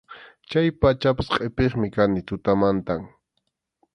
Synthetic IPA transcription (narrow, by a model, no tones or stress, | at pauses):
t͡ʃajpat͡ʃapḁsqʼepeχmɪkanɪt̪ʊt̪amant̪aŋ